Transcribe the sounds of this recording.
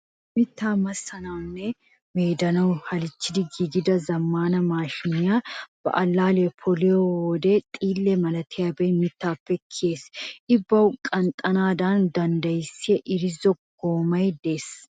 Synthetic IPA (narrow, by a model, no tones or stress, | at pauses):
mɪt̪ːaːmɐsːɐnɐwnːɛ | meːd̪ɐnɐwhɐlɪt͡ʃːɪd̪ɪɡiːɡɪd̪ɐzɐmːaːnɐmaːʃɪnɪjaːb̥ɐ̰ʔɐlːaːlepʰɔlɪjowɔd̪ɛt̪ʼiːlːɛmɐlɐt̪ʰɪjabɛjmɪt̪ːaːpːɛkʰːɪe̞ːsʔɪbːɐwkʼɐnt̪ʼɐnaːd̪and̪ɐnd̪ɐjsːɪɛʔɪɾɪzɔɡ̥oːmɐjd̪e̞ːs